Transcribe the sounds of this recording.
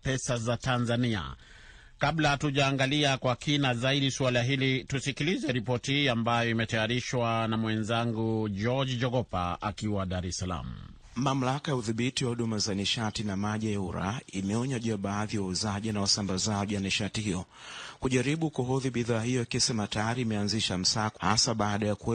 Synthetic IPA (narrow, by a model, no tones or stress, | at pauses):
pɛsazatanzania̰ | kablatuʄaːŋɡaliakwakinazaiɗiswalaɦilitusikilizɛɾipɔtihiːambajɔimɛtajaɾiʃwanamwɛnzaŋɡud͡ʒɔd͡ʒid͡ʒɔɡɔpa̰a̰kiwaɗaɾɛsala̰mu | mam̩lakajauðiɓitiwahuɗumazaniʃatinamaʄijauɾa̰imɛɔɲaʄiaɓaːðiawauzaʄinawasambazaʄiwaniʃatihijɔ | kuʄaɾiɓukuɦɔðiɓiðaːhijɔikɛsɛmatajaɾiːmɛanziʃam̩saːha̰saɓaːɗajakuɛ